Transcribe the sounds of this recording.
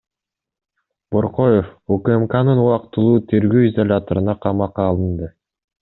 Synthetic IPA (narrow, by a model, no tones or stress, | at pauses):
b̥oɾqo̞jefukəemkanɯnuɑqt̪ɯlˠuːt̪ʰe̞ɾɡøwizɐlʲat̪oɾɯnɑqʰɑmɑqɑːlˠɯnd̪ɯ